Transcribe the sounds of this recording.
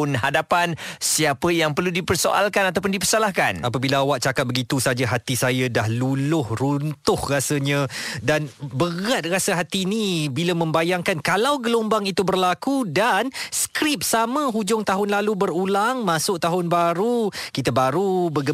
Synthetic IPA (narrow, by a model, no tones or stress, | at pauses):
ʊnɦadapansiapəjaŋpərludipərso̰ʔa̰lkanat̪awpʊndipərsalahka̰napabilaːwaʔ̚t͡ʃakat̪̚bəɡit̪usad͡ʒaɦat̪isajadahlulʊhrunt̪ʊhrasəɲə̃danbəɣat̪̚rasəɦat̪iːnibilamə̃mbajaŋkankalawɡəlombaŋit̪ubərlakudanskɾɪp̚samə̃ɦud͡ʒʊŋt̪aɦʊnlalubəɾulaŋmãsʊʔ̚t̪aɦʊnbaɾukit̪əbaɾubəɡə